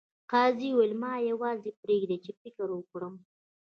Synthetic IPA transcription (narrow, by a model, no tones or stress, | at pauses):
qɑːziwelmɑjawɑzepɾeɡd̪et͡ʃefɪkɪɾwəkɽəm